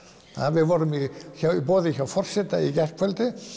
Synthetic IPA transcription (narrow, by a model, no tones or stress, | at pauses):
a̰vɪðvɔɾʏmiçawipɔːðɪçawfɔr̥sɛt̪aicɛr̥fœlt̪ɪ